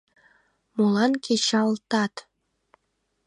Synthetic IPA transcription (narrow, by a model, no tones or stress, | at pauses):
mulˠɑnkʲet͡ɕɑlˠt̪ɑt̪